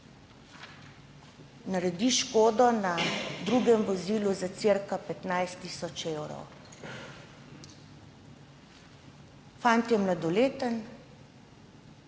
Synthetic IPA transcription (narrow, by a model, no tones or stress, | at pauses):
naɾɛd̪iʃkoːd̪ɔnad̪ɾuɡɛmvɔziːluzat̪seɾkapɛt̪najst̪iːsɔt͡ʃewɾɔ̰w | fant̪jɛmlad̪ɔleːt̪ən